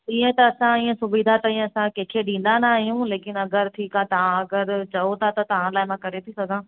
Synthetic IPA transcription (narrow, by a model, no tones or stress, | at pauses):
ĩːə̃t̪ɐɐsãĩːə̃sʊbiːd̪ʱat̪ɐĩːẽɐsãkẽːkʰeɗĩːn̆d̪anaːɦijũleːkɪnɐɡəɾʈʰiːkat̪ɐʋãɐɡəɾt͡ɕɐot̪ʰat̪ɐt̪ɐʋ̤ãlaːɪmãkɐɾet̪ʰisɐɡʱãː